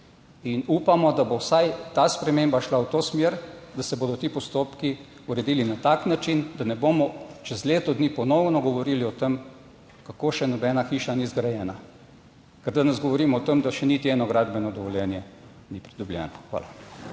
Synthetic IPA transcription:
inuːpamɔd̪abowsajt̪aspɾɛmembaʃlawt̪oːsmjeːɾd̪asɛboːd̪ɔt̪ipɔst̪oːpki | uɾɛd̪iːlinat̪aːknat͡ʃind̪anɛbomɔt͡ʃɛzleːt̪ɔd̪niːpɔnɔwnɔɡɔʋɔɾiːliɔt̪em | kakoːʃɛnɔbɛːnaxiːʃanizɡɾajɛːna | kɛɾd̪anɛzɡɔʋɔɾiːmɔɔt̪əmd̪aʃɛnit̪iɛːnɔɡɾaːd̪bɛnɔd̪ɔʋɔljɛnjɛ | nipɾid̪ubljɛ̰ːnɔxʋa̰ːla

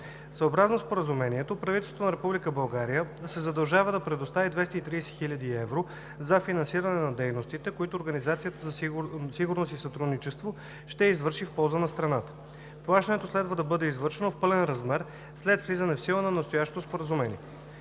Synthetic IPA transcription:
səobɾaznospoɾəzumɛnʲiɛt̪opɾɐvit̪ɛlst̪t̪onɐɾɛpublikəbɐlˠɡaɾijəsɛzɐd̪ɐlˠʒavəd̪ɐpɾɛd̪ost̪avid̪vɛst̪əit̪ɾiːsɛ̥xilʲəd̪iɛvɾo | zɐfinɐnsiɾɐnɛnɐd̪ɛjnost̪it̪ɛkoit̪oːɾɡɐnizat̪sijət̪əzɐsiɡʊɾnost̪isɐt̪ɾud̪nit͡ʃɛst̪vo | ʃt̪ɛizvɤɾʃifpɔlˠzənɐst̪ɾɐnat̪ə̥ | plˠaʃt̪ɐnɛt̪oslɛd̪vəd̪ɐbɤd̪ɛizvɤɾʃɛnofpɤlɛnɾɐzmɛɾ | slɛt̪vlizənɛfsilˠənɐnɐst̪ojaʃt̪o̥t̪ospoɾəzumɛnʲḭɛ

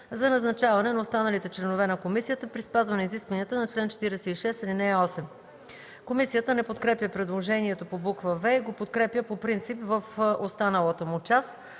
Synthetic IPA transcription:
zɐnɐznɐt͡ʃavɐnɛnɐost̪anəlit̪ɛt͡ʃlɛnovɛnɐkomisijət̪əpɾispazvɐnɛiziskvɐniət̪ənɐt͡ʃlɛnt͡ʃɛ̥t̪iɾɛsɛiʃɛsilinɛɔsɛm | komisijət̪ənɛpot̪kɾɛpjəpɾɛd̪lˠoʒɛniɛt̪opobukvəvɛiɡopot̪kɾɛpjəpopɾint̪sipvəfost̪anəlˠət̪omʊt͡ʃas

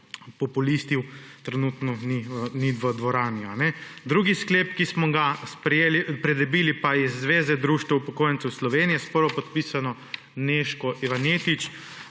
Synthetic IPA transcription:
pɔpulist̪iwt̪ɾɛnut̪nɔniniʋəd̪ʋɔɾaːniɔanɛd̪ɾuɡiskleːpkismɔɡaspɾɛjeːlipɾɛd̪ɛbiːlipaizːʋeːzɛd̪ɾuːʃt̪ʋɛupɔkoːjənt̪sɛwslɔʋeːnijɛspəɾʋɔpɔt̪piːsanɔ | neʃkɔʔiʋaneːt̪it͡ʃ

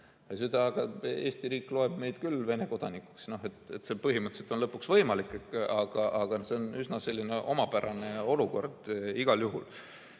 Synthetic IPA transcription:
jɑs̬ed̪̥ɑːɡ̥ɑe̞ːst̪iɾiːkˑlo̞e̞b̥me̞jd̪̥kylve̞ne̞ko̞d̪̥ɑnikːˑu̥ksno̞ɦe̞t̪et̪se̞pɤɦimɯt̪se̞lt̪o̞nlɤpːˑuksvɤ̞jmɑlikːˑekɑɡ̥ɑʔɑɡ̥ɑse̞onysnɑse̞lʲːine̞ʔo̞mɑpæɾɑne̞o̞luko̞̰rd̪̥iɡ̥ɑljuɦul

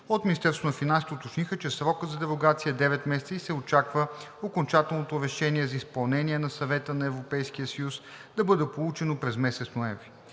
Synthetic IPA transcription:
ot̪minist̪ɛɾst̪vonɐfinãnsit̪ot̪ot͡ʃnixət͡ʃɛsɾɔkəd̪zɐd̪ɛɾoɡat̪sijəd̪ɛvɛt̪mɛsɛt̪səisɛot͡ʃakvəokont͡ʃat̪ɛlˠnot̪oɾɛʃɛniɛzɐispɐlˠnɛniɛnɐsɐvɛt̪ənɐɛvɾopɛjskijəsɐjus | d̪ɐbɤd̪ɛpolˠut͡ʃɛnopɾɛzmɛsɛt̪snoɛ̃ɱvɾi

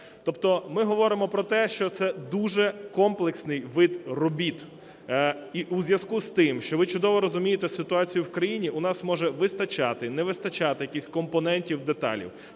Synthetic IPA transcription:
t̪ɔpt̪ɔmɪɦɔʋɔɾɪmɔpɾɔt̪ɛʃt͡ʃɔt̪sɛd̪uʒɛkɔmplˠeksnɪjʋɪd̪rɔbʲit̪ | iʔuzʲjɐzkust̪ɪmʃt͡ʃɔʋɪt͡ʃʊd̪ɔʋɔɾɔzʊmʲijet̪ɛsɪt̪ʊɑt͡sʲijʊwkɾɐjinʲiʔʊnɑsmɔʒɛʋɪst̪ɐt͡ʃɑt̪ɪnɛʋɪst̪ɐt͡ʃɑt̪ɪjɐkʲisʲkɔmpɔnɛnʲtʲiwd̪et̪ɑ̰lʲḭw

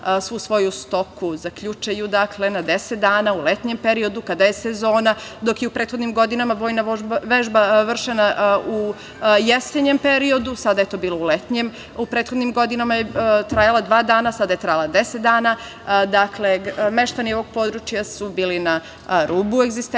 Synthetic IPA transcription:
sʋusʋo̞just̪o̞kuzakʎut͡ʃajud̪akle̞nad̪eset̪̚d̪aːnaulet̪ɲempe̞ɾio̞d̪ukad̪ajesezo̞ːnad̪o̞kjeupɾeːt̪xo̞d̪nimɡo̞d̪inamaʋojnaʋeʒbaʋr̩ʃenau | jeseɲempe̞ɾiod̪usad̪ajet̪o̞ːbiːlˠo̞ulet̪ɲem | upɾet̪xo̞d̪nimɡo̞d̪inamajet̪ɾajalˠad̪ʋaːd̪aːnasad̪ajet̪ɾajalˠad̪eset̪d̪aːna | d̪akleme̞ʃt̪anio̞ʋo̞ɡ̚po̞d̪ɾut͡ʃjasubiːlina | ɾuːbueɡzist̪

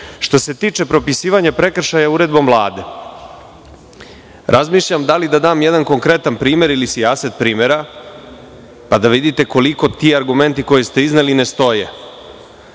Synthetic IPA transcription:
ʃt̪o̞se̞t̪iːt͡ʃe̞pɾo̞pisiːʋaɲapɾe̞kr̩ʃajauɾe̞d̪bo̞mvlˠaːd̪e̞ | ɾʔazmiːʃʎamd̪alid̪ad̪aːmjed̪anko̞ŋkɾe̞t̪anpɾiːme̞ɾilisiaset̪̚pɾiːme̞ɾa | pad̪aʋid̪it̪e̞ko̞liko̞t̪iːaɾɡume̞nt̪iko̞jest̪e̞izneline̞st̪o̞je

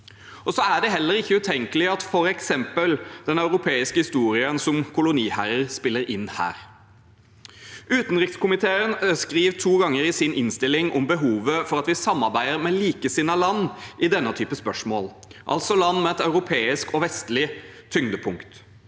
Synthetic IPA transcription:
ʔɔsɔæɖɛɦɛlːəɾɪçːəʉːt̪ʰɛŋkəlɪɑt̪fɔɾɛksɛmpəld̪̥ɛnɑʉɾʊpʰeːɪskəhɪst̪uːɾɪənsɔmkʰʊlʊniːhæɾəɾspɪlːəɾɪnːhæ̰ːɾ | ʉːt̪nʁɪkskʊmɪt̪ʰeːənskɾiːʋt̪ʰuːɡɑŋːəɾɪsɪnʔɪnst̪ɪlɪŋɔmbəɦuːʋəfɔɾɑt̪ʋɪsɑmːɑɾbæɪəɾmɛliːkəsɪnɑlɑnːʔɪd̪ɛnːət̪ʰyːpəspœʂmo̰ːl | ʔɑ̰lt̪sɔlɑnːmɛɛt̪ɑʉɾʊpʰeːɪskɔʋɛst̪lɪ | t̪ʰʏŋd̪əpʰʊŋkt̪

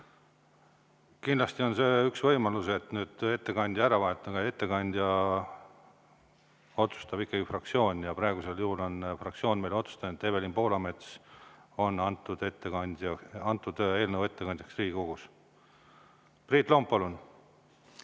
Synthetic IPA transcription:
kind̪lɑst̪io̞nse̞ːyksvɤ̞jmɑluse̞t̪nyːd̪̥e̞t̪ːe̞kɑnʲd̪jɑæɾɑvɑet̪ːˑɑɡɑje̞t̪ːe̞kɑnʲd̪̥ʲjɑ | o̞t̪su̥st̪ɑb̥ikːɑɡifrɑk̚t̪sio̞ːnʲjɑpɾɑeɡ̥use̞ljuhulo̞nfrɑk̚t̪sio̞ːnʲme̞jlo̞t̪su̥st̪ɑnet̪ːe̞be̞limpo̞ːlɑme̞t̪s | o̞nːɑnt̪ːˑud̪e̞t̪ːekɑnʲd̪̥ʲjɑɑnt̪ːˑud̪̥e̞ːlnəwe̞t̪ːe̞kɑnʲd̪̥ʲjɑksriːɡiko̞ɡ̥us | priːt̪ːˑlo̞mppːɑlun

